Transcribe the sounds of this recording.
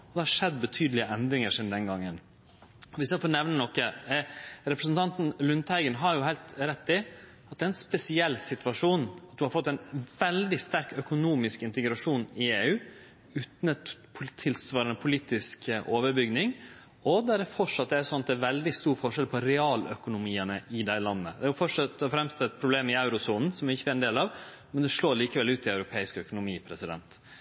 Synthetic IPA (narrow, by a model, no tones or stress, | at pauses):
ɔd̪ɛhɑɾʂɛd̪ːbət̪ʰyːd̪lɪəʔɛnd̪ɾɪŋəʂɪnd̪ɛnɡɑŋːən | ɔʋɪskɑfoːnɛʋnənɔkːə | ɾɛpɾəsnt̪ʰɑnt̪n̩lʉnt̪hæɪɡənɦɑɾjʊɦæɪlt̪ɾɛt̪ːɪ | ɑt̪̚d̪ɛɾɛnspɛsɪɛlːsɪt̪ʋɑʂuːnɑt̪̚d̪ʉhɑɾfɔt̪ːæɪnʋɛld̪ɪst̪æɾkœkʊnuːmɪskɪnt̪əɡɾɑʂuːnɪeːʉː | ʉːt̪npʰt̪ʰɪlsʋɑːɾənəpʰʊliːt̪ɪskʔoːʋəɾbʏɡnɪŋ | ɔd̪æɖɛfɔʂɑt̪̚d̪ɛæɾsɔnɑt̪̚d̪ɛæɾʋɛld̪ɪst̪uːɾfɔʂɛlpʰɔɾɛɑːlœ̰kʊnʊmiːənəʔɪd̪æɪlɑnːə̰d̪ɛæɾjʊfɔʂɑt̪ːɔfɾɛmst̪ɛt̪̚pʰɾʊbleːmɪɑʉɾʊsuːnn̩sɔmɪçːəæɾɛnd̪eːlɑʋ | mɛnd̪ɛʂloːɾliːkəʋɛlʉːt̪ʰɪɑʉɾʊpʰeːɪskœkʊnʊmiːpʰɾɛsɪd̪ɛ̰nt̪